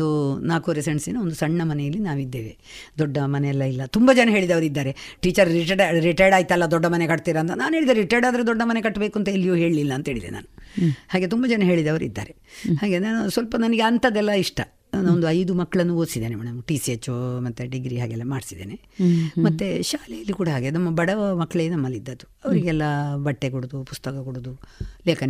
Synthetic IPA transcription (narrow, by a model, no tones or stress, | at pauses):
unaːkoɾeseɳsinːɐond̪usɐɳːɐmɐnɛjɐlːinaːʋid̪ːeːʋe | d̪ɔɖːɐmɐneɛlːɐilːɐt̪umbɐd͡ʒɐnɐɦe̞ːɭid̪ɐʋɐɾid̪ːaːɾe̞ | ʈiːt͡ʃɐɾiʈɐɾiʈɐjɖaːjit̪ːɛlːɐd̪ɔɖːɐmɐnekɐʈ̚t̪iːɾɐːnt̪̬ɐnaːnuɦeːɭid̪ɐɾɾiʈɐjɖaːd̪ɐɾed̪ɔɖːɐmɐnekɐʈːbeːkuɐnt̪ɐelːijoːɦe̞ːɭlilːɐːnt̪ɐɦeːɭid̪ḛna̰ːnuhaːɡet̪umbɐd͡ʒɐnɐɦe̞ːɭid̪ɐʋɐɾḭd̪ːa̰ːɾehaːɡeansʋɐlpɐnɐnɐɡeɐnt̪ʰɐd̪ɛlːɐiʂʈɐ | ond̪uɐjd̪umɐkːɐɭɐnːuoːsid̪eːnemɛːɽɐmʈisiet͡ʃːumɐt̪ːeɖiɡɾiɦaːɡeɛlːɐmaːɖisid̪eːne | mɐt̪ːeʃaːlejɐlːikuːɽɐɦaːɡenɐmːɐbɐɽɐɐmɐkːɐɭenɐmːɐlːid̪ːɐd̪uɐʋɐɾiɡɛlːɐbɐʈːe̞kuɽud̪upust̪ɐkɐkuɽud̪uleːkɐne